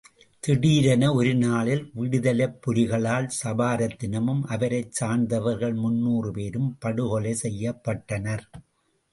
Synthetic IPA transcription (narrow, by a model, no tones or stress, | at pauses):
t̪ɪɽiːɾɐnɐɔɾɯnaːɭɪlʋɪɽɯðɐlɐpːʊɾɪɣɐɭaːlsɐbaːɾɐt̪ːɪnɐmɯmʔɐʋɐɾɐɪt͡ʃt͡ʃsaːɳd̪ɐʋɐɾɣɐɭmʊnːuːrɯpeːɾɯmpɐɽɯɣɔɭɐɪsɛjːɐpːɐʈːɐnɐɾ